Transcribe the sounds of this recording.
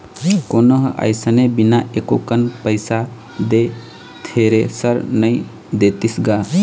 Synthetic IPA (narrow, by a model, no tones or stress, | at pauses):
konəɦə̰jsənebinaʔekokənpəjsa | d̪e | t̪ʰeɾesəɾnəj | d̪et̪isɡa